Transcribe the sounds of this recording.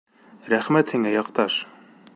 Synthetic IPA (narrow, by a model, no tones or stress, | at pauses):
ɾæχmæt̪hiŋæjɑqt̪ɑʃ